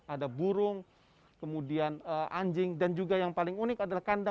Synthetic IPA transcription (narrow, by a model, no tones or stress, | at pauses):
adabuɾʊŋ | kəmudianəʔaɲd͡ʒɪŋdand͡ʒuɡajaŋpalɪŋunɪkadalahkanda